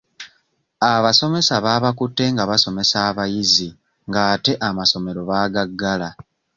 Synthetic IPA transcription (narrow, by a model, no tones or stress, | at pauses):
aβaso̞me̞saβaːβakutːe̞ŋɡaβaso̞me̞saːβajizi | ŋɡaːte̞ʔamaso̞me̞ɾo̞βaːɡaɡːala